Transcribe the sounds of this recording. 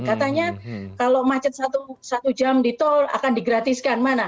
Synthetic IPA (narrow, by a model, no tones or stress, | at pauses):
kat̪aɲakalomat͡ʃət̪̚sat̪usat̪ud͡ʒamdit̪ɔla̰kandiɡɾat̪iskanmana